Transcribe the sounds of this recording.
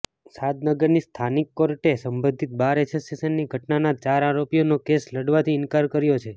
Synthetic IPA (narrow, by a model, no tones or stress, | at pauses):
sad̪nəɡəɾnist̪ʰanikːoɾʈesəmbə̃nd̪ʱit̪̚baɾesʰesisənːiɡʱəʈnanat͡ʃaɾaɾopijonokesləɽʋat̪ʰiɪnkaɾkəɾjot͡ʃʰe